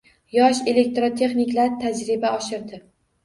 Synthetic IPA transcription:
jɒʃe̞le̞k̚t̪ɾot̪ʰe̞χnɪkʲlaɾt̪ʰad͡ʒɾɪbaɒʃɪɾd̪ɪ

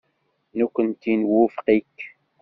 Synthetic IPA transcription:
nukʷːənt̪inwʊfqikː

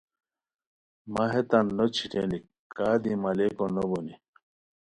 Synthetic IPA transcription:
maɦet̪anːot͡ɕʰiʈeni | kaːd̪imalekonoboni

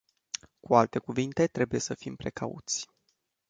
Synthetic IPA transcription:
kualt̪e̞kuvint̪e̞t̪ɾe̞buje̞səfimpɾe̞kʰaṵt̪sʲ

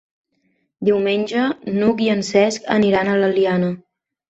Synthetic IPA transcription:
d̪iwmenʲd͡ʒənukiənsɛskə̰niɾanələlianə

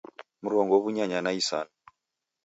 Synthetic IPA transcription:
muɾɔŋɡɔβuɲaɲanaisa̰na

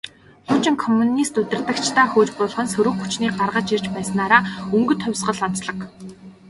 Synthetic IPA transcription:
xʊːt͡ɕɪ̆ŋkʰɔmːunist̪ɵt̪ɪ̆rt̪ə̆kt͡ɕʰt̪ʰaːxʊːt͡ɕpʊːɮ̆χə̆nsɵɾɵ̆xxut͡ɕniːɢarʁə̆t͡ɕirt͡ɕpæːs̆naːɾaːɵŋɡɵ̆t̪ʰɔwʲsɢə̆ɮɔn̥t͡sɮə̆k

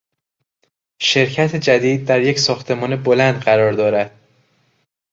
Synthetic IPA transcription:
ʃe̞ɾcʰæt̪ʰed͡ʒæd̪iːd̪̚ːæɾje̞csɒːxt̪ʰe̞mɒːnebo̞lænd̪ɢæɾɒːɾd̪ɒːɾæd̪̥

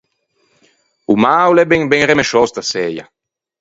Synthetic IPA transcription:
umawlɛbɛŋbɛŋremeʃɔst̪asɛja̰

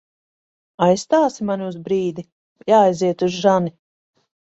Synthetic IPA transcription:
ajst̪aːsimaniuzbɾiːd̪i | jaːjziɛt̪uzʒani

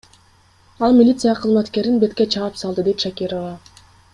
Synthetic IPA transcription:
ɑlˠmʲilʲit̪sɨjaqʰɯzmɑt̪ke̞ɾinbe̞t̪ket͡ʃʰɑːɯpsɑlˠd̪ɯd̪ejt̪ʃakʲiɾova

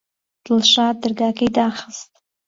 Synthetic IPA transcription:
d̥lʂadɨrɡakʰejdaːχəstʼ

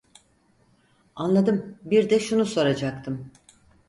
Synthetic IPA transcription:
anlˠad̪ɯmbiɾd̪ɛʃunuso̞ɾad͡ʒak̚t̪ʰɯm

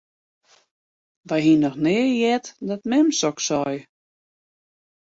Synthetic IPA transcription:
ʋɛjɦinɔxnɪəjɛtdɔt̚mɛmsɔksɔj

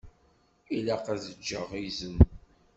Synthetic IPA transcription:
ilæqæzəd͡ʒːəʁizən

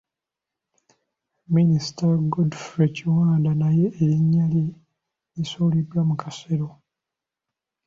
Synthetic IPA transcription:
ministaɡodfɾeciwaːndanaje̞ːɾiɲːali | nisoːlidwamukʰaseɾo

